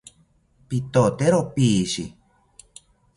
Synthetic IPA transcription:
pit̪ot̪eɾopiʃi

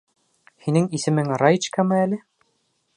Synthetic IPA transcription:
hinɘŋisɘ̆mɘŋrajt͡ɕkamɤælɘ

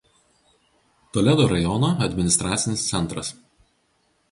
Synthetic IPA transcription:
t̪oːlʲɛd̪oːɾɐjɔnoːɐd̪ʲmʲɪnʲɪst̪ɾɑːt̪sʲɪnʲɪst̪sʲɛnˑt̪ɾɐs

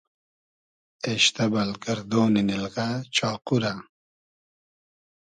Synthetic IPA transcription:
eɕt̪ɐbɐlɡɐɾd̪oːninilɣat͡ɕɑːquɾa

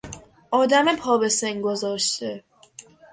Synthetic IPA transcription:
ʔɒːd̪æmepʰɒːbe̞seŋɡozɒːʃt̪e

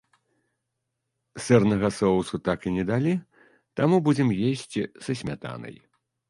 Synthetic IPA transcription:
sɛrnɐɣɐsɔwsut̪akinʲɛd̪alʲi | t̪amubud͡zʲɛmjesʲt͡sʲisɐsʲmʲat̪a̰nɐ̰j

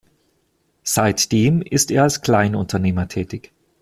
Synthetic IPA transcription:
z̥aɪtd̥eːmʔɪsteːɐalskl̥aɪnʊntʰɐneːmɐtʰɛːtɪç

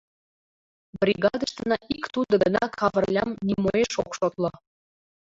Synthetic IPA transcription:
brʲiɣɑd̪əʃt̪ə̆nɑʔikt̪ud̪ə̆ɡə̆nɑkʰɑβə̆rlʲɑmnʲimoeʃokʃot̪lŏ

